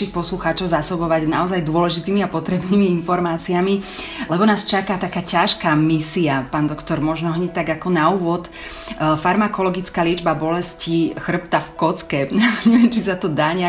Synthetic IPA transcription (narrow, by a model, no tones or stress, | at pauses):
ixpɔsluxaːt͡ʃɔʊzasɔbɔʋaɟnaɔzajd̪ʊɔlɛʒit̪iːmiapɔt̪ɾɛbniːmiinfɔɾmaːt͡siamilɛbɔnaːst͡ʃakat̪akaːcaʃkaːmisiapaːnd̪ɔkt̪ɔɾmɔʒnɔɦɲɛct̪aɡakɔnauːʋɔt̪ | faɾmakɔlɔɡit͡skaːlɪɛd͡ʒbabɔlɛscixr̩pt̪afkɔt͡skɛɲɛʋjɛmt͡ʃisat̪ɔd̪aːɲa